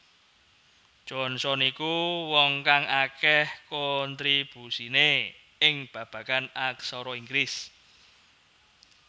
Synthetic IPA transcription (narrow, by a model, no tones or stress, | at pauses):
ʒ̥ɔnsɔnikuwɔŋkaŋakɛhkoɔnt̪ɾib̥usine | ɪŋb̥ä̤b̥ä̤kanaksɔɾɔiŋɡɾɪs